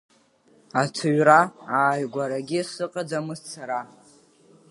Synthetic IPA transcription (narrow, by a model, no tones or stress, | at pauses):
atʰɨɥraaːjɡʷaɾaɡʲisɨqʼad͡zamɨzt͡sʰaɾa